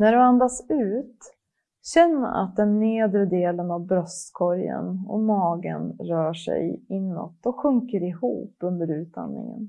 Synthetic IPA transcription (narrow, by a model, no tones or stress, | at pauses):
næɖɛand̪asʉ̟ːt̪ | ɕɛnːəɾa̰t̪̚d̪ɛnːeːd̪ɾəd̪eːlənavbɾœst̪kʰɔɾjə̰nɔ̰mɑːɡənɾœːʂɛ̰jɪnːɔ̰t̪ːɔɧɵŋkəɾɪhṵːpɵnd̪əɾʉ̟ːt̪̚d̪a̰nnɪ̰ŋə̰n